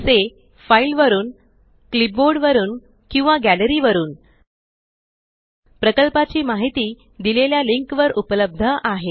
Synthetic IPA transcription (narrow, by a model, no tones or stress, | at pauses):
se | failʋəɾuːn | klip̚boɾɖʋəɾuːn | kĩw̃ʋaɡæləɾiːʋəɾuːn | pɾəkəlpat͡ɕiːmaɦit̪iː | d̪ileljaliŋkʋəɾupələb̚d̪ʱəʔaɦe